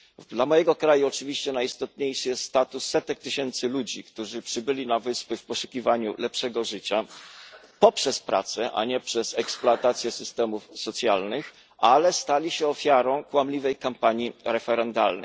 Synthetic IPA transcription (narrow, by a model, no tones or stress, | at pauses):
d̪lamɔjɛɡɔkɾajuɔt͡ʂɘvʲiɕt͡ɕɛnajist̪ɔt̪̚ɲejʂɘjɛst̪st̪at̪usːɛt̪ɛk̚t̪ɘɕɛnt̪sɘlud͡ʑikt̪uʐɘpʂɘbɘlʲinavɘspɘfpɔʂu̥kʲivaɲṵlɛpʂɛɡɔʐɘt͡ɕa | pɔpʂɛspɾʔa̰t̪sɛʔa̰ɲɛpʂɛsɛksploat̪at̪sʲjɛsɘst̪ɛmufsɔt̪sʲjalnɘx | alɛst̪alʲiɕɛɔfʲjaɾɔ̃w̃kwamlʲivɛjkampaɲiɾɛfɛɾɛnd̪alnɛ̰j